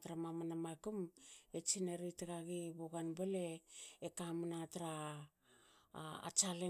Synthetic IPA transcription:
tɾamamanamakumet͡ʃineɾitaɡaɡiβoɡanbaleekamanataɾa | a̰t͡ʃale

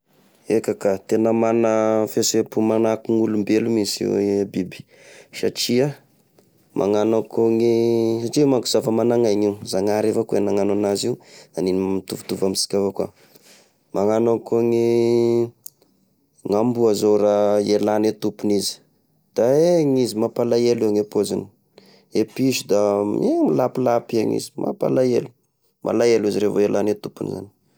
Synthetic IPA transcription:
ekakat̪enəmanəfesepumanakuŋulumbelumisbibi̥ | ʃa̰ʈ͡ʂia | mʔa̰ŋanakoŋisaʈ͡ʂimaŋku̥z̥afəmanaŋajŋiuzaŋaɾefakuenaŋananaziuaninmit̪uvu̥t̪uvamisi̥kʲafakwa̰ | maŋanankuŋi | ŋambuazoraelanet̪upunizi̥ | d̪̥aeŋizimapalajeliaŋepazani̥ | epiʃud̪amemilapilapia̰ŋḭzi̥mʔa̰pa̰lajelu̥ | mʔa̰laeliziɾevoelʔanet̪upuniza̰ni̥

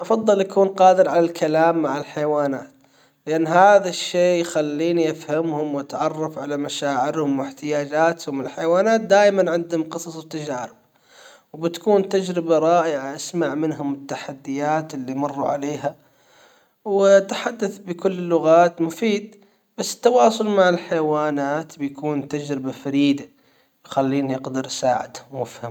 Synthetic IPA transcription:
ʔɑfɑðˤːɨlʔakuːnqɑːd̪ɪɾʕalalkʰalaːmːaʕɪlħajawaːnaːt̪ | lɪʔanːɦaːðaʃːeːjxalːiːniʔafhamhʊmwʔat̪ʕɑrˤːɑfʕalamaʃaːʕɪɾhʊmwɪħt̪ɪjaːd͡ʒaːt̪hʊmɪlħajwaːnaːt̪̚d̪aːjmanʕɪnd̪hʊmqɨsˤɑsˤwɪt̪ːad͡ʒaːɾɪb | wbɪt̪kuːnt̪ad͡ʒɾɪbaɾˤɑːʔjʕaʔasmaʕmɪnɦʊmɪt̪ːaħad̪ːɪjaːt̪ɪlːimɑrˤːṵʕa̰leːɦa | wɪt̪ħad̪ːaθbɪkʊlːlːʊɣaːt̪mʊfiːd̪̚ | b̥asːɪ̥t̪ːawɑːsˤʊlmaʕɪlħajwaːnaːt̪bɪjakuːnt̪ad͡ʒɾɪbafaɾiːd̪a | jxalːiːnjɪqd̪ɪɾʔsaːʕɪ̰d̪hʊmːʊfham

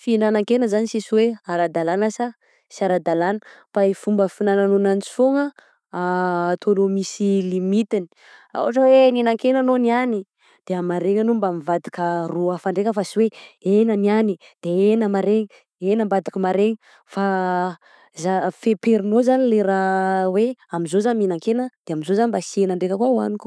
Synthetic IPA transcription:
finanaŋkenəzanisisiweaɾad̪alanasa | siaɾad̪alanə̥faifumbəfinananonant͡si̥foŋə | at̪ʰonomisilimit̪ini̥ | a̰waʈ͡ʂəweninaŋkenanoniani | d̪̥eamaɾeŋanumbamivad̪ikəruəfaɳɖ͡ʐekʲəfasiweenəniani | d̪̥eenəmaɾeŋə | enəmbad̪i̥kəmaɾeŋə | fa | zafepeɾinozanileɾaweamizozaniminaŋkenəd̪̥eamizozanibasenaɳɖ͡ʐekəkwawa̰nik

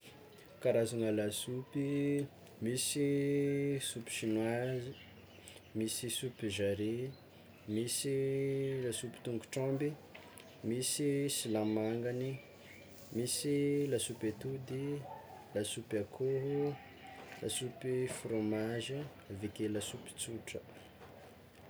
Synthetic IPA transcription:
kaɾazanəlasupi | misi | supi̥ʃinwazi | misisupiʒaɾe | misilasupi̥t̪uŋɡuʈ͡ʂɔ̃mbi | misisilamaŋɡani | misilasupet̪ud̪ilasupakʰoɦu | la̰supifromaʒi | vikelasupi̥t͡suʈ͡ʂə

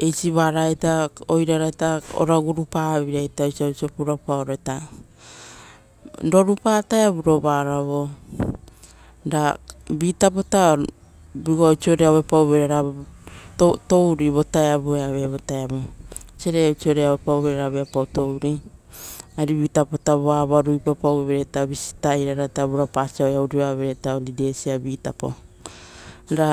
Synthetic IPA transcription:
e̞jsiβaɾataojɾaɾajtao̰ɾaɡuɾupaβiɾajtat͡ʃiawt͡ʃiopuɾapaoɾajta | do̞ɾupaːtaeaβuɾoβaɾaβo̞ | dabitapota | biɡot͡ʃioɾeaβepawβeɾeɾa | otowɾiβo̞taeabueaβeβotaeaβot͡ʃeɾet͡ʃioɾeawepawβeɾeɾaβeapawto̞wɾi | aɾiβitapotaβoaβaɾujpapaweβeɾetaβisi̥taiɾaɾataβuɾapasiaojauɾiβaβeɾetaoɾide̞siabiːtapo̰ | ɾa

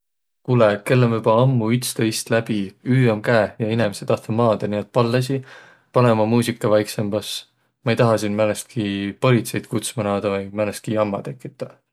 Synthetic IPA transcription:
kuleke̞lːemybɑɑmːuyt̪st̪eist̪læb̥iyːomkæːjɑinemiset̪ɑht̪omɑːd̪̥ɑniet̪̚pɑlːes̬i | pɑnemɑmuːsʲikˑːɑvɑjksemb̥ɑs | mɑejt̪ɑɦɑsinmælest̪̚kʰipo̞lit̪se̞jd̪̥̚kut̪smɑnɑːd̪̥ɑvɯjmælest̪̚kiɑmːɑt̪e̞kːˑit̪ːˑɑ

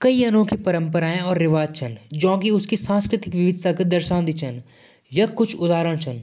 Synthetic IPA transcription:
kɐiɐnõkipɐɾə̃mpəɾaːẽɔːɾːɪʋaːd͡ʒt͡ʃʰənd͡ʒõːkiʊskisãːskɾɪt̪ɪkʋɪʋɪd̪ʱsaked̪ɐɾʃãːd̪it͡ʃʰən | jɐkʊt͡ʃʰʊd̪aːɾəɽ̃t͡ʃʰən

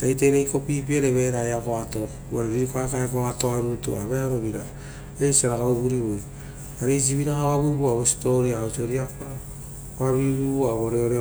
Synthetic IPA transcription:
tajteɾejkopip̬ieɾeβeɾajakoato | βaɾeɾiɾikoaekaekoatoaɾutṵa̰βeaɾoβiɾa | esaɾakauβuɾiβoj | aɾeis̬iβiɾakaβaβuβuaβostoɾiaosoɾiakoa | βaβiβuβuaβoɾeoɾe

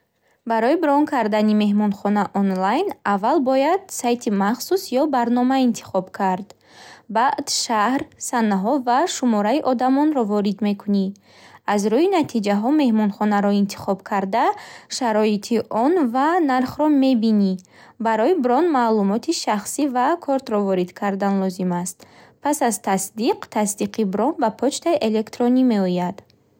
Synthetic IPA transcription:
baɾɔibɾɔnkʰaɾd̪anime̞ɦmɔnχɔnaʔɔnlajnavːalbɔjad̪̥sajt̪ʰimaχsusjɔbaɾnɔmaint̪ʰi̥χɔbkʰaɾd̪ | baʔd̪ʃahɾsanːaɦɔvaʃumɔɾaiʔɔd̪amɔnɾɔvɔɾid̪me̞kʰuni | azɾuinat̪ʰid͡ʒaɦɔme̞hmɔnχɔnaɾɔint̪ʰi̥χɔbkʰaɾd̪aʃaɾɔit̪ʰiʔɔnvanaɾχɾɔme̞bini | baɾɔibɾɔnmalumɔt̪ʰiʃaχsivakʰɔɾt̪ɾɔvɔɾid̪kʰaɾd̪anlɔzimast̪pʰasazt̪ʰasd̪iqt̪ʰasd̪iqʰibɾɔnbapʰɔt͡ʃt̪ʰaiʔe̞le̞kt̪ɾɔnime̞ɔjad̪

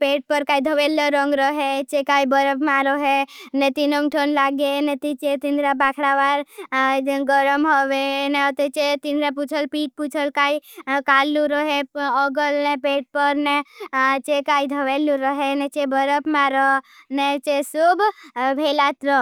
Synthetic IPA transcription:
peːʈ̚pəɾkaːid̪ʱəʋelːəɾɔ̃ŋɡɾɔɦet͡ʃekaːibəɾəpmaɾɔɦenet̪inoŋʈʰonlaːɡenet̪it͡ʃet̪ind̪ɾabaːkʰɽaʋaːɾ | ɡəɾəmɦoʋeneɔt̪et͡ʃet̪ind̪ɾaput͡ʃʰəlpiːʈ̚put͡ʃʰəlkaːikaːlːuɾɔɦeɔɡəlnepeːʈ̚pəɾnet͡ʃekaːid̪ʱəʋelːuɾɔɦenet͡ʃebəɾəpmaːɾɔnet͡ʃesubbʱelat̪ɾɔ

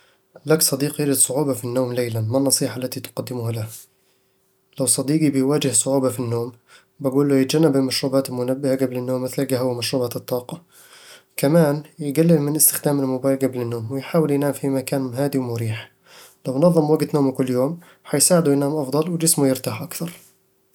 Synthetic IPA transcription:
laksˤɑd̪iːqjɪɾɪd̪sˤʊʕuːbafinːoːmleːlanmanːɑsˤiːħaʔlːat̪it̪ʊ̥qad̪ːɪmʊhalaha | lawsˤɑd̪iːɡibɪjwaːd͡ʒɪhsˤʊʕuːbafinːoːm | baɡuːlːʊjɪt̪d͡ʒanːabɪlmaʃɾuːbaːt̪ɪlmʊnabːɪhaɡablɪnːoːmːɪθlɡaɦʊwmaʃɾuːbat̪ɨt̪ˤːɑːqɑ | kamaːnjɪɡalːɪlmɪnʔɪst̪ɪ̥xd̪aːmɪlmʊbaːjɡablɪnːoːmwɪjħaːwɪljnaːmfimakaːnɦaːd̪iwmʊɾiːħ | lawnɑðˤːɨmwaɡt̪noːmkʊlːjoːm | ħɑjsaːʕɪd̪ujnaːmʔɑfd̪ˤɑlwd͡ʒɪsmujɪɾt̪aːħʔakθɑɾˤ

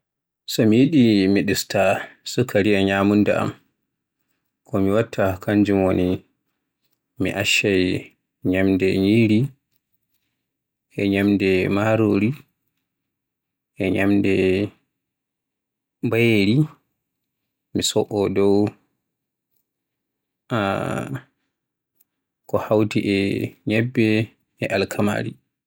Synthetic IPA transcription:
sɔmijiɗimiɗistasukʰːaɾiɛɲamunda̰ʔa̰m | kʰɔmiwatʰːakaɲd͡ʒumoni | mḭʔaʃaj | ɲamdɛɲiːɾi | ʔɛɲamdɛmaɾoɾi | ɛɲamdɛ | bajeɾi | misɔʔɔdɔw | a | kɔhawtiʔɛɲɛbːɛ | ɛʔalkʰama̰ːɾi

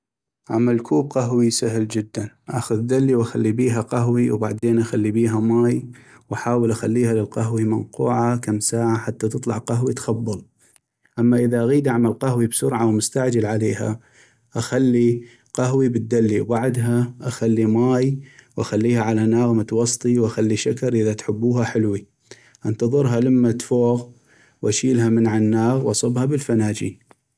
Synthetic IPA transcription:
ʕamalkuːb̚qaɦwisaɦld͡ʒɪd̪ːanʔa̰xʊðd̪alːiwʔaxalːibiːɦaqaɦwiwbaʕd̪eːnʔaxalːibiːɦamaːj | wʔaħaːwəlʔaxalːiːhalɪlqaɦwimanquːʕakamsaːʕaħat̪ːat̪ɨt̪ˤlɑʕqaɦwit̪xɑbːɑl | ʔamːaʔɪðaʔaɣiːd̪ʔaʕmalqaɦwibsʊɾʕawmʊst̪aʕd͡ʒalʕaleːha̰ | ʔaxalːi | qaɦwibɪt̪̚d̪alːiwbaʕd̪ɦaʔaxalːimaːjwʔaxalːiːhaʕalanaːɣmʊt̪wɑsˤt̪ˤiwʔaxalːiʃakɑɾˤʔəðat̪ħʊbːuːhaħɪlwi | ʔant̪ɑðˤɨɾɦalamːat̪foːɣ | wʔaʃiːlɦamənʕanːaːɣwʔɑsˤɨbhabɪlfanaːd͡ʒḭːn

